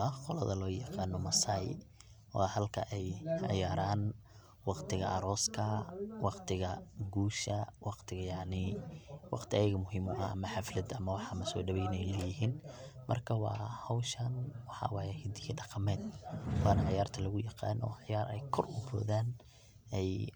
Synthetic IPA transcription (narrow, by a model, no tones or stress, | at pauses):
ɐqɔlɐ̰ðɐlɔːjɑqɑːnɔmɐsaj | wɑːhɐlkʰɐ̰ʔɛjʕɪ̰jaːɾaːn | wɑqt̪ʰɪɣɐ̰ʔɐɾɔːskʰɐwɑqt̪ʰɪɣɐɡuːʃɐwɑqt̪ʰɪɣɐjɑʕnɪwɑ̰qt̪ʰɪɐjɐɣɐmʊɦiːmɔʔɐɐ̰mɐħɑflɐd̪ɐmɐwɑħɑmɐsɔ̰ːɖɐβɛjnɛjlɛjɪɦiːnmɐ̰rkʰɐwɑ̰ːhɐwʃɐnwɑħɑ̰wɑːjɛhɪd̪ɪjɐɖɑqɑmɛːd̪̚wɑːnɐʕɪjaːrt̪ʰɐlɐɣʊjɑqɑ̰ːnɔ̰ʕjaːɾɛjkʰɔrʊbɔ̰ːðaːn | ɛj